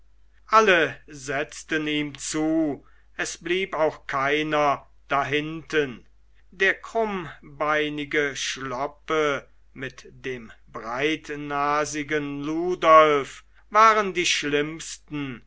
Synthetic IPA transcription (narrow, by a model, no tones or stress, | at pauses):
ʔaləzɛt͡stəniːmt͡suː | ʔɛsb̥liːpaʊxkʰaɪnɐ | d̥aɦɪntən | deːɐkʁ̥ʊmbaɪnɪɡəʃlɔpə | mɪtd̥eːmbʁaɪtnaːzɪɡənluːdɔlf | vaːʁəndiːʃlɪmstn̩